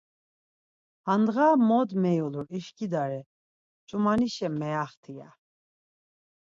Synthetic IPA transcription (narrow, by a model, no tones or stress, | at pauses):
hand̪ɣamɔd̪mɛjuluɾiʃkʼid̪aɾɛ | t͡ʃʼumaniʃɛmːɛaχt̪ʰia̰